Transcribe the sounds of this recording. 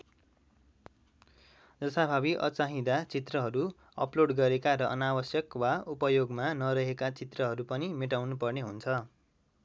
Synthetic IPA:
d͡zʌst̪abʱabiʔʌ̰t͡saɦĩd̪at͡sit̪rʌɦʌɾu | ʌ̰ploɽɡʌɾekaɾʌʔʌnawʌsjʌkwaupʌjoɡmanʌɾʌɦekat͡sit̪rʌɦʌɾupʌnimeʈawnupʌrneɦunt͡sʰʌ

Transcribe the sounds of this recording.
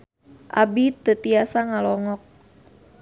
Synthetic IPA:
ʔa̰bit̪ət̪iasaŋalɔŋɔk̚

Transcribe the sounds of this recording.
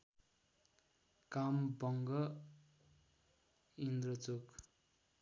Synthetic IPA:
kambʌŋɡʌ | ind̪rʌt͡sok

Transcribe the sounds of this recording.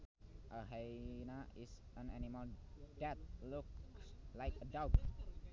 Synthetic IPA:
ʔəɦenaɪs | ãnanimaldɛt̪̚lʊk̚slaɪkədawt̪̚

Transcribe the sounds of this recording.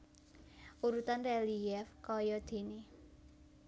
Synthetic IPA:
ʔuɾut̪anrɛlijɛfkɔjɔd̪̥e̤ne

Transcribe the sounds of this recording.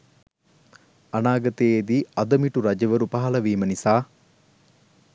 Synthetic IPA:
ɐnaːɡɐt̪eːd̪iːɐd̪ɐmiʈuɾɐd͡ʒɐʋɐɾupaɦɐlɐʋiːmənisaː

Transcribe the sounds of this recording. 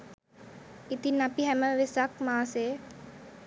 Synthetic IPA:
it̪inapiɦæməʋesakmaːse

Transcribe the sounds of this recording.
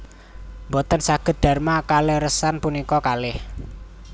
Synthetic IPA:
mbɔt̪ənsaɡ̥ə̤t̪̚d̪̥a̤rmakalɪhrəsanpunikɔkalɪh

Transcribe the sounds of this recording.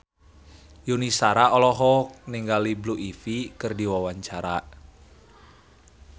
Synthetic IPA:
junisaɾaɔlɔɦɔniŋɡalibluʔifikɨrdiwawaɲt͡ʃaɾaʔ

